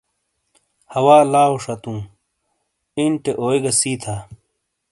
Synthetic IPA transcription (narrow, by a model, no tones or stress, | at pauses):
hɐwaːlaːoʂɐt̪ũː | inʈeʔoːeɡɐsiːt̪ʰaː